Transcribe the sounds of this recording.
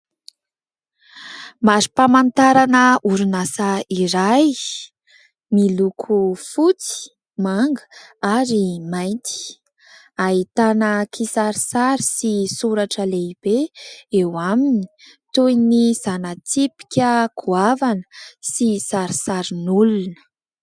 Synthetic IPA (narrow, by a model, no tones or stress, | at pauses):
mazipamant̪aɾanəuɾunasaiɾaj | milukʰufut͡si̥ | maŋɡəaɾimajnt̪i̥ | aɦit̪anəkʰisaɾisaɾisisuɾaʈ͡ʂəleib̥eewamini̥ | t̪ujniz̥anət̪ipi̥kʲəkʰuavanə̥sisaɾisaɾinulunə̥